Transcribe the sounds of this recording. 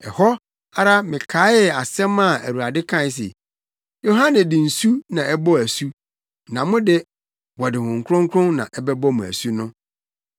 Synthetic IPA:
ɛ˨hɔ˦ | a˦ɾa˦mɪ̃˨kʰa˨˦jɛ˨a˨sɛ̃˦ma˦˨æ˨wu˨ɾa˨dɪ˦kʰã˦˨n˨˦s̬ɪ̰˨ | jo˨ɦã˦nɪ̃˨dɪ̃˨n̩˨su˦nã˨ɛ˦bɔ˦æ˨su˦ | nã˨mʊ̃˦dɪ˦ | wɔ˨dɪ˨hʊ̃˨ŋ̩˨kʰɾʊ̃˦ŋ˦kʰʊ̃˦nnã̰˨ʔɛ˦bɛ˦bɔ˦mũ˨æ̰˨su˦nʊ̃˦

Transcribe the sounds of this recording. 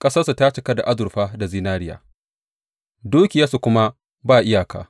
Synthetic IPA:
kʼɐ˦sɐ˦sa˨ta˦t͡ʃɪ˨kɐ˦da˨ʔa˦zʊ˨rɸaː˦da˨zi˦naː˦ɾɪ˦ja̰ː˨ | duː˦kʲɪ˨jɐ˦su˨kʷʊ˦ma˦ | baː˦˨ʔɪ˦jaː˨ka̰ː˨

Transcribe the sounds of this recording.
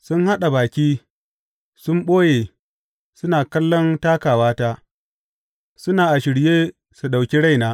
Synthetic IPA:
sʊ˦nha˦ɗa˨baː˨kʲiː˦ | sʊ˦mɓoː˦jeː˨ | sʊ˦naː˨kɐ˦lːɔ˦ntaː˦kaː˨waː˦taː˦ | sʊ˦naː˨ʔa˨ʃɪ˨ɽjeː˦ | su˨ɗa˨wkʲi˦ɽa˦jnaː˦

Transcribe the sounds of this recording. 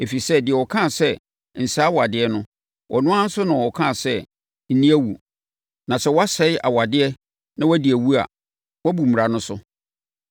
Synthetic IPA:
e˨fi˨sɛ˦dɪ˨ɛ˨wɔ˨kʰã˦˨sɛ˦ | n̩˨sa˦wa˨dɪ˦ɛ˦nʊ̃˦ | wʔɔ˨nʊ̃˦ã˦n̩˦sʊ˦nã˨ɔ˨kʰã˦˨sɛ˦ | n̩˨nĩ˦æ˦wu˨ | nã˨sɛ˦wɔ˦a˦sɛ˨ɪ˦ʔa̰˨wa˨dɪ˦ɛ˦ | nã˦wɔ˦di˨æ˨wu˦a̰˨ | wɔ˦bu˨m̩˨ɾa˨nʊ̃˦sʊ̰˦

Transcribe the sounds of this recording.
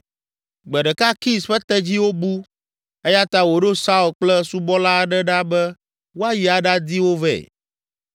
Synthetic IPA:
ɡ͡bɛ˨ɖɛ˨ka˦ki˦sɸɛ˦t̪ɛ˦d͡ʑi˦wo˦bu˦ | e˦ja˦t̪a˦wo˨ɖo˦sa˦u˨lk͡plɛ˦su˦bɔ˦la˦ɖɛ˦ɖa˦bɛ˦ | wo˦a˦ji˨a˨ɖa˦d̪i˦wo˦vɛ̰˨

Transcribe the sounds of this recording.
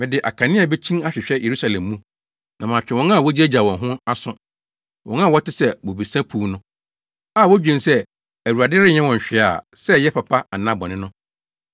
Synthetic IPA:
mɪ̃˨dɪ˨ʔa̰˨kʰã˨nɪ̃˦a˨bɛ˦t͡ɕʰĩ˦na˦ɕᶣɪ˨ɕᶣɛ˦jʔe˨ɾu˦sa˨lɛ̃˨mːũ˦ | nã˨mãː˨t͡ɕᶣɛ˨wɔ̃˦nã˦˨wɔ˦d͡ʑi˦æ˦d͡ʑa˨wɔ̃˨nɦʊ̃˦a˦sʊ̃˦ | wɔ̃˦nã˦˨wɔ˦tɪ˦sɛ˦wo˨bi˨sã˦pʰuː˦nʊ̃˦ | a˦˨wɔ˦d͡ʑᶣɛ̃˨nsɛ˦ | æ˨wu˨a˨dɪ˦ɾɪ˦ɲɛ̃˦wɔ̃˨ɲ˨ɕᶣɪ˨a̰˨sɛ˦jɛ˦pʰa˨pʰa˦a˨nã˦bɔ̃˨nɪ̃˦nʊ̃˦

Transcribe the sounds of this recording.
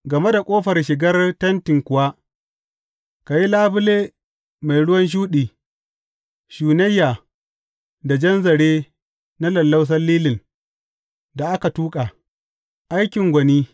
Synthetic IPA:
ɡɐ˨me˦da˨kʷʼoː˦ɸɐ˨rʃɪ˨ɡɐ˦rtɐ˦ntɪ˨ŋkʷʊ˨wa˦ | ka˨ji˦laː˦bʊ˦leː˦ | ma˨jɽʊ˦wɐ˦nʃ̬uː˦ɗiː˨ | ʃuː˨nɐ˦jːaː˨ | da˨d͡ʒɐ˦nzɐ˨ɽeː˦ | na˦lɐ˨lːa˦ws̬ɐ˦liː˦lɪ˨n | da˨ʔa˦ka˨tuː˦kʼa˨ | ʔa˦jkʲɪ˨ŋɡʷɐ˨niː˦

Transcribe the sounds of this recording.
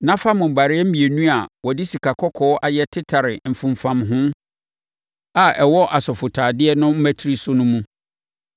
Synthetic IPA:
nã˦fa˦mʊ̃˨ba˨ɾɪ˦ɛ˦m̩˦ĩ˨e˨nũ˦a˨wɔ˨di˦si˨kʰa˨kʰɔ˦kʰɔː˦ʔa˨jɛ˦tʰɪ˦tʰa˨ɾɪ˨m̩˨fũ˨m˨fã˨mɦʊ̃˦ | a˨ʔɛ˨wɔ˦ʔa˨sɔ˨fʊ˨tʰaː˨dɪ˦ɛ˦nʊ̃˦m̩˦mæ˦tʰi˦ɾi˦sʊ˦nʊ̃˦mũ˦

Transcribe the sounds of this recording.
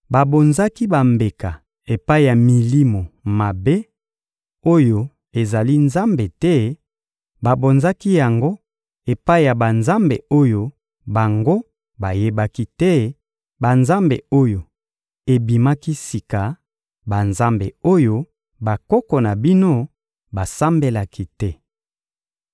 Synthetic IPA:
ba˨bo˨nza˦ki˦ba˨mbe˨ka˨ | e˨pa˦i˨ja˨mi˨li˦mo˨ma˨be˦ | o˦jo˨ | e˨za˨li˦nza˦mbe˨tɛ˦ | ba˨bo˨nza˦ki˦ja˨ŋɡo˦ | e˨pa˦i˨ja˨ba˨nza˦mbḛ˨o˦jo˦ | ba˨ŋɡo˦ | ba˨je˦ba˦ki˦tɛ˦ | ba˨nza˦mbḛ˨o˦jo˨ | e˨bi˨ma˦ki˦si˨ka˨ | ba˨nza˦mbḛ˨o˦jo˦ | ba˨kɔ˦kɔ˨na˨bi˦no˦ | ba˨sa˦mbe˦la˨ki˦tɛ˦

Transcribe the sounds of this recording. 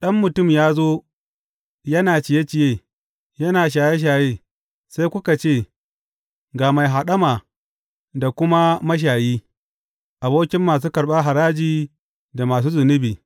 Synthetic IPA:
ɗɐ˦mːʊ˨tʊ˦˨mjaː˦zoː˦ | jɐ˦naː˨t͡ʃɪ˨je˦t͡ʃɪ˨jeː˦˨ | jɐ˦naː˨ʃ̬aː˨je˦ʃ̬aː˨jeː˦ | sa˦jkʷʊ˦ka˨t͡ʃeː˦˨ | ɡaː˨ma˨jɦa˨ɗɐ˦maː˨ | da˨kʷʊ˦ma˦mɐ˦ʃ̬aː˨jiː˦ | ʔa˨boː˦kʲɪ˦mːaː˨s̬uː˦kɐ˨ɽɓaː˦ɦa˨ɾaː˦d͡ʒiː˨ | da˨maː˨s̬uː˦zʊ˨nʊ˦biː˨

